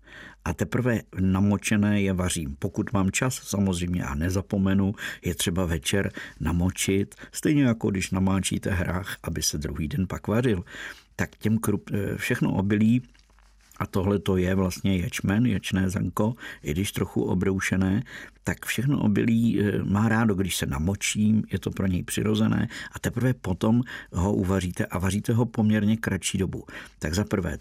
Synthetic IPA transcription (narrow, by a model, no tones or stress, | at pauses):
ʔat̪ɛpɾ̩vɛnamo̞t͡ʃɛnɛːjɛvar̝iːmpo̞kut̪maːmt͡ʃasːamo̞zr̝ɛjmɲɛ̰ʔa̰nɛzapo̞mɛnujɛt̪r̥ɛbavɛt͡ʃɛɾnamo̞t͡ʃɪt̪st̪ɛjɲɛjako̞ɡdɪʃnamaːt͡ʃḭːt̪ɛɦɾaːxʔabɪsɛd̪ɾuɦiːdɛnpakvar̝ɪlt̪akcɛmkɾupfʃɛxno̰ʔobɪliː | ʔat̪o̞ɦlɛt̪ojɛvlast̪ɲɛjɛt͡ʃmɛnjɛt͡ʃnɛːzɛ̰ŋko̞ɪɡdɪʃt̪ɾoxṵʔo̰bɾowʃɛnɛːt̪akfʃɛxno̰ʔo̰bɪ̰liːmaːɾaːdoɡdɪʃsɛnamot͡ʃiːmjɛt̪o̞pɾo̞ɲɛjpr̝̥ɪ̰ɾo̞zɛnɛ̰ːʔat̪ɛpr̩vɛpo̞t̪o̞mɦo̞ʔuvariːt̪ɛʔavariːt̪ɛɦo̞pomɲɛɾɲɛkɾat͡ʃiːdo̞but̪aɡzapr̩vɛ̰ː